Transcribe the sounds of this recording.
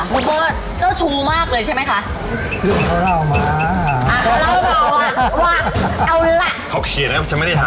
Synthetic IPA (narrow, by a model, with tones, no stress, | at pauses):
mu˨˦t̪̚ɔː˧wa˥˩ | t͡ɕaː˥˩wt͡ɕʰuː˧maː˥˩k̚lɤː˧jt͡ɕʰa˥˩jma˦˥jkʰa˦˥ʔ | lɯ˥˩ŋʰa˧˩ɾa˥˧˩wma˧˦ʔa˧˩a˥˩a˥˩˧a˧˩aː˥˧˩waː˥˩ʔa˧wla˧˩ʔkʰɔː˨˩kʰi˨˩˦na˦˥k̚ʰt͡ɕa˦˥nm˥˩da˥˩a˨